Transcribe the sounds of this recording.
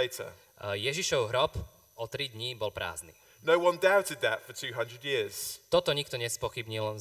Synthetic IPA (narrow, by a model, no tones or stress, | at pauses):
ɪtʰə̰ | jɛʒiʃɔʊɦɾɔp | ɔt̪ɾid̪ɲibɔlpɾa̰ːznḭ | nəʊwʌ̃ndaʊtɪd̪̚ðə̰tfətʰʉːɦʌ̃ndɹədjɪəz̥t̪ɔt̪ɔɲik̚t̪ɔɲɛspɔxibɲil